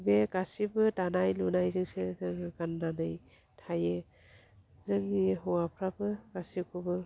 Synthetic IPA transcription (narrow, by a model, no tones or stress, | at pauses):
bekasibɯtanajlunajzɯŋsezɯŋkanːanɯj | tʰaje | zɯŋniɦɔwapʰɾabɯkasikʰubɯ